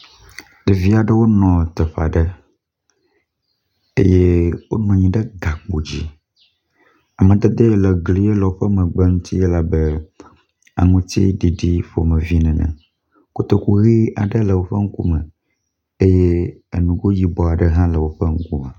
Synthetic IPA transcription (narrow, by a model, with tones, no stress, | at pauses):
ɖ̥ɛ˨vi˦a˨ɖə˦wo˦nɔ̃˨t̪ə˨ɸa̰˨ɖə˦ | ḛ˦je˦wo̰˦n˦ɔ̃˨ɲĩ˨ɖə˦ɡa˨k͡po˨d͡ʑi˦ | a˨mə̃˨d̪ɛ˦d̪e˦lə˨ɡli˨˦je˦lɛ˨wo˦ɸə˦mə̃˨ɡ͡bɛ˦ŋũ˦t̪ʰi˦je˦la˨bə˦ | a̰˨ŋũ˦t̪ḭ˦ɖi˨ɖi˦ɸo̰˨mə̃˨vi˦nɛ̃˨nɛ̰̃˨ | ku˦t̪o˦ku˦ɣi˦a˨ɖə˦lə˨wo˦ɸə˦ŋ̩˦ku˦mə̃˨ | e˦jɛ˦e˨nũ˨ɡo˦ji˦bɔ˨a˨ɖə˦ɦã˦lə˨wo˦ɸə˦ŋ̩˦ku˦mẽ˨